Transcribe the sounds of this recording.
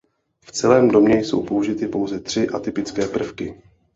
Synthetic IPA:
ft͡sɛlɛːmdo̞mɲɛjso̞̰wpo̞uʒɪt̪ɪpo̞wzɛt̪r̝̥ɪʔat̪ɪpɪt͡skɛːpr̩fkɪ

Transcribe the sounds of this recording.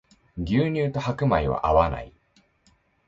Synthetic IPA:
ɡʲɨːɲ̟ɨːt̪o̞hakɯ̟maiβa̰ʔaβana̰i

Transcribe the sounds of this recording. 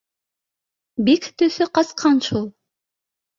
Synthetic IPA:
bikt̪ɵθɵqɑsqʰɑnʃulˠ

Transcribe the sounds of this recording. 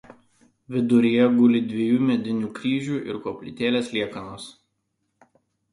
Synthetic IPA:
ʋʲɪd̪ʊɾʲijɛɡʊlʲɪd̪ʲʋʲijuːmʲɛd̪ʲɪnʲuːkɾʲiːʒʲuːʔɪ̰ɾkoːpʲlʲɪ̰t̪ʲeːlʲeːslʲiɛkɐnoːs

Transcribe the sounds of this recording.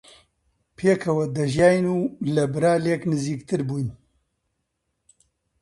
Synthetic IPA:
pʰeːkʰɐwɐd̪ɐʒjaːjnuːlɐbɨɾaːleːknɨziːkt̪ʰɨɾbuːjn

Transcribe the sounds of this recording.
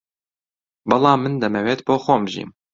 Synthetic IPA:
bɑlˠɑːmɨnd̪ɛmɛweːt̪boːxoːmʒḭːm

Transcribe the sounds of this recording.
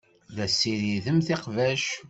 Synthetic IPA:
ðæsːiɾiðəmθeqvæʃ

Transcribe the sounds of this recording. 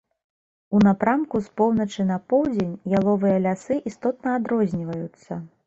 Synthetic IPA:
unapɾamkuspɔwnɐt͡ʂɨnɐpɔwd͡zʲenʲjalˠɔvɨjɐlʲasɨʔist̪ɔt̪̚nɐːd̪ɾɔzʲnʲivɐjut̪sːɐ

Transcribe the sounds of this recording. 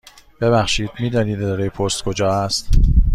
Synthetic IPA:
b̥e̞βæχʃiːd̪̥miːd̪ɒːniːd̪zɒɾejepʰost̪kʰod͡ʒɒːæst̪

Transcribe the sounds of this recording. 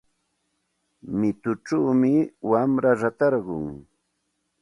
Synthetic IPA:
mɪt̪ʊʈ͡ʂawmɪwamɾaɾat̪ɑɾɢʊ̰ŋ

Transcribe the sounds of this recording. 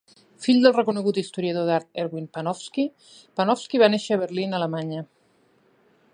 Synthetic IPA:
fiʎd̪əlˠrəkunəɣut̪ist̪uɾiəð̞oðaɾt̪̚ɛɾɣwinpənɔfski | pənɔfskiβaneʃəːβəɾlinələmaɲə

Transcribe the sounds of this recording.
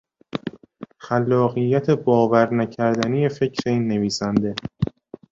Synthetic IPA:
xælːɒːɣijːæt̪ʰe̞bɒːvæɾnæcʰæɾd̪ænije̞fe̞cʰɾeiːnːe̞viːsænd̪e̞

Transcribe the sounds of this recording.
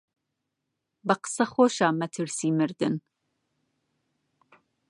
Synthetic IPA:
bɐqə̥sɐxoːʃaːmɛt̪ʰɨɾsiːmɨɾd̪ɨn

